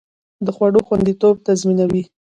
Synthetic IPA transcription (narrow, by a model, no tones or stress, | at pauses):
d̪əxwaɽoxwand̪it̪ob̚t̪azminawi